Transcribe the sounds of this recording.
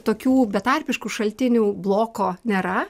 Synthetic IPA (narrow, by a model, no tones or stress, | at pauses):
t̪oːkʲuːbʲɛt̪ɐɾʲpʲɪʃkuːʃɐlʲt̪ʲɪnʲuːblˠoːkoːnʲeːɾɐ